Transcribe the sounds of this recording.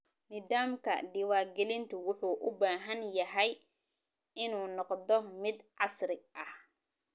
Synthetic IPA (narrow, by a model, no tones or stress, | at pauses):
nɪðaːmkʰɐ̰ɖɪwaːɡɛlɪnt̪ʰʊwʊħuːʔʊbaːɦɐnjɐɦɛj | ɪnuːnɔqd̪ɔmɪd̪ʕɑsɾɪʔɐh